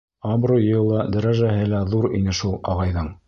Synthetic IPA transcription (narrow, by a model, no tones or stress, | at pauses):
ɑbrojɤ̆jɤ̆lˠɑd̪ɾɑʒæɦɘlæðuɾinɘʃulˠɑ̰ʁɑjðɤɴ